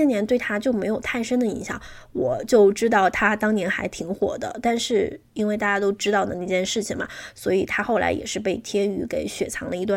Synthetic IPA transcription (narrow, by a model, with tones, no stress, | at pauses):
ɛ˥njɛ˧˥nt̪we˥˩ɪt̪ʰa˥t͡ɕjo˥˩ʊme˧˥ɪjo˨˩ʊt̪ʰa˥˩nʂə˥nd̪ə˨ḭ˧˥ŋɕjɑ̰˨˩˦ŋwɔ˨˩t͡ɕjo˥˩ʊʈ͡ʂɻ̩˥t̪ɑ˥˩ʊt̪ʰa˥t̪ɑ˥ŋnjɛ˧˥nxa˧˥ɪt̪ʰi˧˥ŋxwɔ̰˨˩d̪ə̰˦t̪a˥˧nʂɻ̩˥˩i˥nwe˥˧ɪt̪a˥˩t͡ɕja˥t̪o˥ʊʈ͡ʂɻ̩˥t̪ɑ˥˩ʊd̪ə˩ni˥˩t͡ɕjɛ˥˧nʂɻ̩˥˩t͡ɕʰi˨˩ŋbɐ̰˩swɔ̰˧˥i˨˩t̪ʰa˥xo˥˩ʊla̰˧˥ɪjɛ̰˨˩ʂɻ̩˥˧pe˥˩ɪt̪ʰjɛ˥ny˧˥ke˨˩ɪɕɥɛ˨˩t͡sʰɑ˧˥ŋld̪ə˧i˧˥t̪w